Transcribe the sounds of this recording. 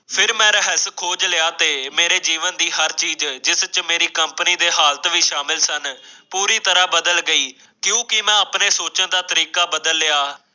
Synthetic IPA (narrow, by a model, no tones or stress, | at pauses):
pʰɪɾmɛ̃ːɾəɦəskʰoːd͡ʒlɪaːt̪eːmeːɾeːd͡ʒiːʋənd̪iːɦəɾt͡ʃiːd͡ʒd͡ʒɪst͡ʃmeːɾiːkəmpniːd̪eːɦaːlt̪ʋiːʃaːmɪlsənpuːɾiːt̪əɾaːbəd̪əlɡəiː | kjõːkɪmɛ̃ːəpneːsoːt͡ʃə̃ːd̪aːt̪əɾiːkaːbəd̪əlːɪaː